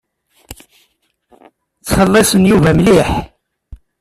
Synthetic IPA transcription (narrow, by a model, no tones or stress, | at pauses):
t͡sːfəlːɑsənjuvæmliħ